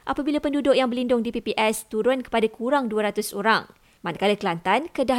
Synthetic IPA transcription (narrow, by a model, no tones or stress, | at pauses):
ʔapabilapəndudʊʔjaŋbərlindʊŋdipipiʔɛst̪uɾʊnkə̥padakʰuɾaŋduaɾat̪ʊsoɾa̰ŋ | mankalak̪əlant̪ankəda